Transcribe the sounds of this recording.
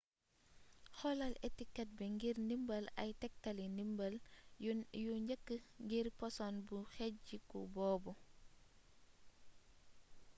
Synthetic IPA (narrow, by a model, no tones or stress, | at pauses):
xɔlɐletikɛt̚bɛŋɡirnimbɐlɐ̰jtɛk̚tɐlinimbɐl | juɲd͡ʒəkːəŋɡirpɔsɔnbuxɛɟikṵbɔːbɔ